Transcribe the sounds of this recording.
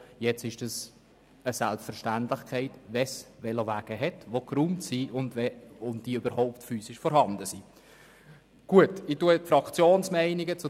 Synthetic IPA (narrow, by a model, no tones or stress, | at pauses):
jɛt͡sɪʃd̥ɑs | əsælpstfəɾʃtæntlɪχkχɛɪtvɛsʋɛlovæːɡ̥əɦɛtʋokɾumtsiʔʊndvɛʊntd̥iøbəɾhɔʊptfyːsɪʃfɔɾhɑndəsi | ɡ̥uətɪtuətfɾɑkt͡sjoːnsmɛɪnɪɡət͡su